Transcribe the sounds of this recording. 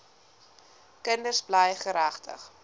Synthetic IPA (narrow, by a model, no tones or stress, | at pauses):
kəndərsblɛjχəɾæχtʰə̰χ